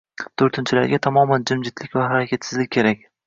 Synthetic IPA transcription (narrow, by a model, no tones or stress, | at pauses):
t̪ʰoɾt̪ʰɪnt͡ʃʰɪla̰ɾɡʲat̪ʰamɒmand͡ʒɪmd͡ʒɪt̪ʰlɪkʲvahaɾakʲʰat̪sɪzlɪkʲːʰe̞ɾak̚ʲ